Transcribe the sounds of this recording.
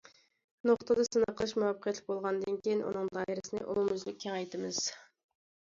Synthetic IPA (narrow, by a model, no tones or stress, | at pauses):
noχt̪əd̪ɑsɨnɑqʰəlˠɨʃmuwɑpʰːqʰjɛt̪lɪkʲbolˠʁɑnd̪ɨnkʲijɪnʔṵnɨŋd̪ɑːiɾɪsɨnɨ̰ɪ̰ʔomyzlɪkʲʰːɛŋɑjt̪ɨmɨz̥